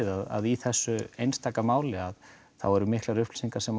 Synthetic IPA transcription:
ðaða̰ðiθɛsːʏejnst̪ʰaːkamaːwlɪað | θawɛɾʏmɪhklaɾʏft̪l̥siŋkaɾ̥sɛm

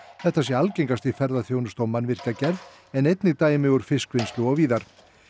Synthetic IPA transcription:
θɛht̪asjɛɾalcejŋkast̪ifɛɾðaθjoːwnʏst̪awmanvɪr̥cacɛɾð | ɛnejt̪nɪt̪aːjɪmɪɣʏɾ̥fɪskvejnst̪ʏɔɣviːðaɾ̥

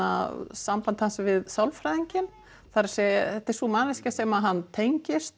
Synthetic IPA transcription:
a̰sampant̪hansvɪðsawlfɾaðiɲcɪn | θaɾasɛθɛht̪ːɛɾsumaːnɪscasɛmaðɦanːt̪ʰejɲcɪst̪

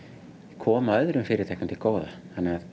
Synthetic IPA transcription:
ɛkʰɔːmaœðɾʏmfɪɾɪɾt̪ʰɛhknamt̪ɪkoːwða̰θanːɛað

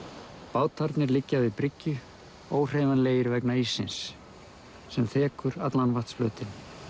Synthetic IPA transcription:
paːwt̪ʰaɾt̪nɪɾlɪcːavɪðpɾɪcːʏ | oːwr̥eːjvanleːjɪɾvɛknaisːɪns | sɛmθɛːkʏɾat̪lanvaht̪sflœːt̪ɪn

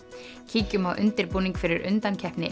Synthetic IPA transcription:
cʰiːcʏmawʔʏ̰nt̪ɪɾpuːniŋkfɪɾɪɾʏ̰nt̪ancʰɛhpnɪ̰

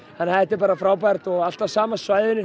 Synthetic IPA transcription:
ɛnaðɛht̪ːɪɾp̬aːɾafɾaːwpajɾt̪ɔɣal̥t̪asaːmasvaːjðʏnɪ

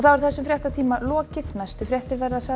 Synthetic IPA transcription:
θawɛɾ̥θɛsːʏmfɾjɛht̪at̪ʰiːmalɔːcɪθnajst̪ʏfɾjɛht̪ɪɾvɛɾðasa

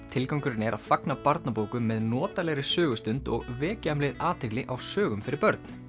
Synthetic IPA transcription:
t̪ʰɪlkawŋkʏɾɪnɪɛɾaðfaknapaɾt̪napoːwkʏmːɛðnɔːt̪alɛɣɾɪsœːɣʏst̪ʏnt̪ɔɣvɛːcamlɪðaːt̪ʰɛklɪʔawsœːɣʏmfɪɾɪɾpœɾt̪n

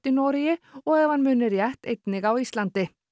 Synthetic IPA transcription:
t̪ɪnɔːɾɪjɪɔɣɛvanmʏːnɪɾjɛht̪ejt̪nɪɣawist̪lant̪ɪ

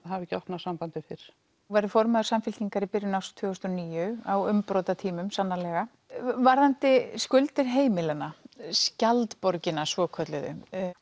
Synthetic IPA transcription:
havɛcːɔht̪nasampant̪ɪfɪɾ̥ | vaɾʏfɔɾmaðʏ̥samfɪlt̪iŋkaɾipɪɾjʏnawst̪ʰv̥ʏɣʏst̪ɔniːjʏawʏmpɾɔːwt̪at̪ʰiːmʏmsanːalɛɣa | vaɾðant̪ɪskʏlt̪ɪɾ̥ɦeːjmɪlɪnːascalt̪pɔɾcɪnasvɔːkʰœt̪lɪðʏ̰

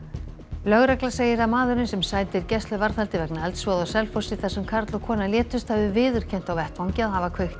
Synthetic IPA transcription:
lœɣɾɛklaseːjɪɾamaːðʏɾnɪsɛmsaːjt̪ɪɾcɛst̪lʏvaɾθalt̪ɪvɛknaɛlt̪svɔðawsɛlfɔsɪθasʏmkʰaɾt̪lɔkʰɔːnaljɛːt̪ʏst̪havɪvɪːðʏɾ̥cʰɛn̥t̪awvɛht̪vawɲcɪaðhavakʰvœɥht̪

